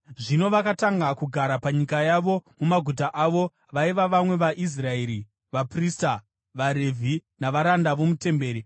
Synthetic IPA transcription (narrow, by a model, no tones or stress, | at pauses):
ʐino̞ʋakataŋɡakuɡʱaɾapaɲikajaʋo̞mumaɡʱut̬aʔaʋo̞ | ʋaiʋaʋamwe̞ʋaʔis̬rae̞ːɾi | ʋaprista | ʋaɾe̞vʱinaʋaɾandaʋomute̞mbe̞ːɾi